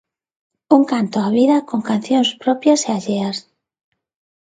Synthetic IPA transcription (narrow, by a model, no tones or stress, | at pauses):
uŋkant̪oaβiðakoŋkanθjonspɾopjaseaʎeas